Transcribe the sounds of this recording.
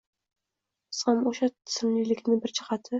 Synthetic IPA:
ɨ̥shamoʃat̪ʰɪ̥sɪmlilɪkʲnɪbɪɾt͡ʃʰɪ̥qɑt̪ʰɪ

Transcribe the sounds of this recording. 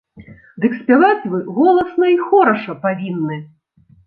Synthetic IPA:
d̪ɨksʲpʲavat͡sʲvɨɣɔlˠɐsnɐixɔɾɐʂɐpavʲinːɨ

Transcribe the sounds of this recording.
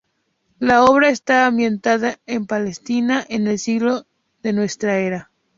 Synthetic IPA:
lao̞β̞ɾae̞st̪aːmbjẽ̞nt̪aðaempale̞st̪inaʔene̞lsiɣlo | ðe̞nwe̞st̪ɾaeɾa

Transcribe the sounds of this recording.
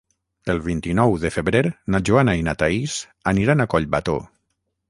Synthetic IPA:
əlˠβ̞int̪inɔwðəfəβɾeɾnaʒuanainat̪aiz | aniɾanakɔʎba̰t̪o̰

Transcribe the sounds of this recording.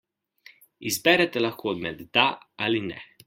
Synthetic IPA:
izbɛɾɛt̪ɛlaxkoːd̪mɛd̪ːaalinɛ̰

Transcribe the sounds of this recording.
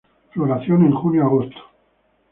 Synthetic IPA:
floɾaθjonẽŋxunjoaɣost̪ʰo̥

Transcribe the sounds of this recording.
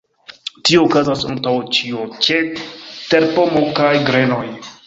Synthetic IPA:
tio̞ːkazasa̰ŋtawt͡ʃiot͡ʃeteɾpo̞mokajɡɾe̞no̞j

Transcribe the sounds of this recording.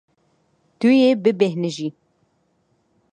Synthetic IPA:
t̪ujebɨbɛhnɨʒi

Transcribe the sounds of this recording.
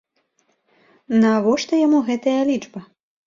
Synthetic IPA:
nɐvɔʂt̪ɐjamuɣɛt̪ɐjɐlʲit͡ʂbɐ

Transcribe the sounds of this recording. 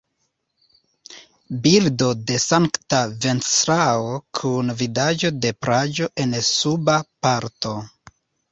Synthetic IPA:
bildo̞de̞saŋktave̞nsɾaokʰunvidad͡ʒo̞de̞pɾad͡ʒo̞ʔe̞nsubapaɾto̞

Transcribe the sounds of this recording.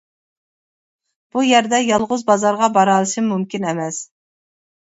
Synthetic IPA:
b̥ujæɾd̪ɛjɑlˠʁʊzbɑzɑɾʁɑbɑɾɑlˠɨʃimmumkʲinɛmɛs

